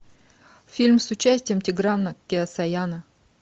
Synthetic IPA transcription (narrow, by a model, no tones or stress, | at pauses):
fʲilʲmsʊt͡ɕæsʲtʲɪjəmtʲɪɡramnəkʲːɪɐsɐjanə